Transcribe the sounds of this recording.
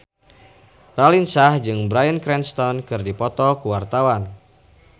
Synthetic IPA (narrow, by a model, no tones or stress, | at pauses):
ralinsahd͡ʒɨŋbɾajənkɾɛnst̪ɔnkɨrdipɔt̪ɔkuwart̪awan